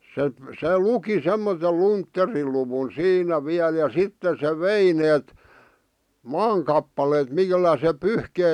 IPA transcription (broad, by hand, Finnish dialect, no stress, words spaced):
se se luki semːotel luntːeriluwun siːnæ ʋiæl jɑ sitːe se ʋei neːt mɑːŋ kɑpːɑleːt milːæ se pyhkei